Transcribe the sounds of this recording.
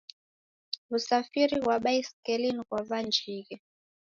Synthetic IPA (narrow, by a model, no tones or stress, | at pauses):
usafiɾiɣwaɓaiskɛliniɣwaβand͡ʒʱiːɣɛ